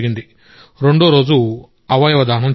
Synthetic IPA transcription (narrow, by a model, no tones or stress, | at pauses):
ɡind̪i | ɾe̞ɳɖoːɾo̞ːd͡ʒu | ɐʋɐjɐʋɐd̪aːnɐm